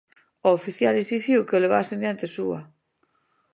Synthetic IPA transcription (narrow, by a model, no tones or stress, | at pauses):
oofiθjalisisiwkeoleβa̰sẽnd̪jant̪esua